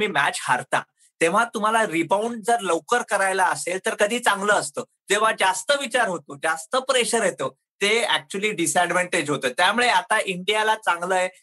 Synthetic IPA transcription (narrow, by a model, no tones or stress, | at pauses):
miːmæ̰t͡ɕhaɾt̪ã̰ | t̪eʋ̤at̪um̤alaɾibauɳɖ̚d͡zəɾləwkəɾkəɾajlaəselt̪əɾkəd̪ʱiːt͡sãŋɡləːst̪əː | d͡ʑeʋ̤ad͡zast̪əʋit͡ɕaɾɦot̪oːd͡zast̪əpɾeɕəɾɦet̪əː | t̪eæk̚t͡ɕuəliːɖisɛɖʋeɳʈed͡ʑɦot̪əːt̪jamuɭeat̪aʔiɳɖijalat͡sãŋɡləje